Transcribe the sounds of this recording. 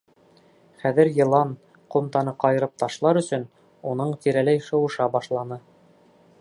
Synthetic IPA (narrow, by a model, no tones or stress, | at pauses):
χæðɘɾjɤ̆lˠɑn | qŏmt̪ɑnɤqɑjɤ̆ɾɤp̚t̪ɑʃlˠɑɾɵ̆sɵn | unɤɴt̪iɾælæjʃɤ̆wɤ̆ʃɑbɑʃlˠɑnɤ